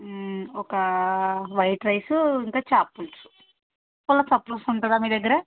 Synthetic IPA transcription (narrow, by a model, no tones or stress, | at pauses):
ɔkɐ | ʋɐjʈɾɐjsuiŋkaːt͡ʃaːpːulsu̥ | pɔlːɐsɐpɾusuɳʈɐd̪aːmiːd̪ɛɡːɐɾe